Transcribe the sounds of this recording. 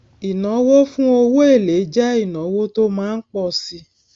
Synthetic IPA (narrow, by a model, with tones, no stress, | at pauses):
i˨nɔ̃˨˦wo˦fũ˦o˧wo˦e˦˨le˨˦d͡ʒɛ˦i˦˨nɔ̃˨˦wo˦to˦mãː˦n̩˦k͡pɔ˦˧˨si˧˦